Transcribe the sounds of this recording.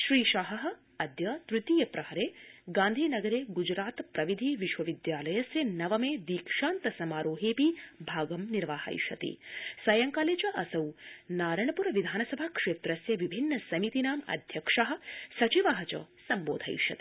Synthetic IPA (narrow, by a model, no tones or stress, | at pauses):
ʃɾiːʃaɦɐɦɐ̆ | ɐd̪jɐt̪ɾut̪iːjɐpɾɐhɐɾeːɡãːnd̪ʱiːnɐɡɐɾeːɡud͡ʒɾaːt̪pɾɐʋid̪ʱiʋiʃʋɐʋid̪jaːlɐjɐsjɐnɐʋɐmeːd̪iːkʂaːnt̪ɐsɐmaːɾoːɦeːpibʱaːɡɐmniɾʋaːhɐ̰jʃɐt̪ḭsɐjɐŋkaːleːt͡ʃɐʔɐsɐwnaːɾɐɳɐpuɾɐʋid̪ʱaːnɐsɐbʱakʂeːt̪ɾɐsjɐʋibʱinːɐsɐmit̪inaːmɐ̰d̪ʱjɐkʂaɦɐ̆sɐt͡ʃiʋaːɦɐt͡ʃɐ̰sɐmboːd̪ʱɐ̰jʃɐ̰t̪i̥